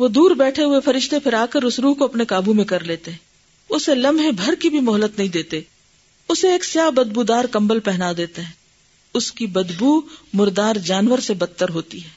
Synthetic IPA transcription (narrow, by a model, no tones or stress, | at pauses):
ʋod̪uːɾbɛːʈʰeɦʊefɐɾɪʃt̪epʰɪɾaːkəɾʊsɾuːɦkoɐpnekaːbʱumẽkɐɾleːt̪eɦɛ̃ː | ʊselɐmʱẽbʱɐɾkibʱimɔɦlət̪nɐɦĩd̪eːt̪e | ʊseeːksjaːbɐd̪̚bud̪aːɾkɐ̃mbəlpɛɦnad̪eːt̪eɦɛ̃ː | ʊskibɐd̪bumʊɾd̪aːɾd͡ʒaːnwəɾsebɐt̪ːəɾɦoːt̪iɦɛː